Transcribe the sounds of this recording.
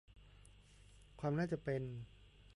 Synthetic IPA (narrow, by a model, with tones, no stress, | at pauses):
kʰwaː˧mnaː˥˩t͡ɕa˨˩pe˧n